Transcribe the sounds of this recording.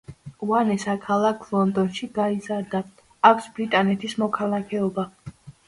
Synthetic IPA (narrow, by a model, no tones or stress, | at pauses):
uanɛsakʰalˠakʰlˠɔnd̪ɔnʃiɡaizaɾd̪aː | kʰʷsbɾit̪ʼanɛt̪ʰismɔkʰalˠakʰɛɔba